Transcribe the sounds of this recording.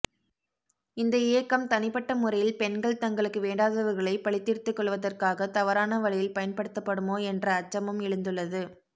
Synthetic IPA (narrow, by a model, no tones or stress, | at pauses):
ɪnd̪ɐɪjɐkːɐmt̪ɐnɪpːɐʈːɐmʊrɐjɪlpɛnɡɐɭt̪ɐŋɡɐɭɯkːɯʋeːɳɖaːðɐʋɯɣɐɭɐɪpɐɭɪt̪ːiːrt̪ːɯkːɔɭʋɐðɐrkaːɣɐt̪ɐʋɐɾaːnɐʋɐɭɪjɪlpɐjɐnpɐɽɯt̪ːɐpːɐɽɯmoːɛndrɐːt͡ʃːɐmɯmɪɻɯnd̪ɯɭːɐðɯ